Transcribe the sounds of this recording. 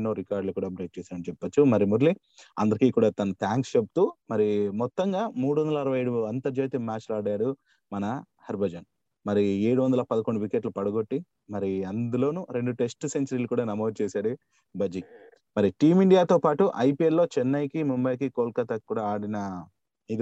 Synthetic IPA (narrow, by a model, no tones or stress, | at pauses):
nːoːɾikaːɾɖlukuːɽaːpɾeʈ̚t͡ʃɛːsaːɐɽt͡ʃɛpːɐt͡ʃːumɐɾimuɾli | ɐ̰nd̪ɐɾikiːkuːɽaːt̪ɐnɐt̪ʰaːŋkst͡ʃepu̥t̪uːmɐɾimɔt̪ːɐŋɡaːmuːɽuʋɐnd̪ɐlɐɐɾɐʋɐjɐjɽuɐnt̪ɐɾd͡ʒeːt̪imaːt͡ʃlaːɽɐjaːɽu | mɐnɐ | hɐɾbɐd͡ʒɐn | mɐɾie̞ːɽuʋɐnd̪ɐlɐpɐd̪ɐkoɳːɖuʋikeʈlupɐɽɐɡo̞ʈːi | mɐɾiɐnd̪ulo̞ːnuɾe̞ɳɖuʈe̞sʈse̞ɲt͡ʃɐɾiːlukuːɽaːnɐmoːd̪̚t͡ʃɛːsaːɽu | bɐd͡ʒi | mɐɾiʈiːmiɳɖijaːt̪oːpaːʈuʔɐjpielːo̞ːt͡ʃɛnːɐjkimumbɐjkikoːlkɐt̪ɐkuːɽaaːɽinɐ | id̪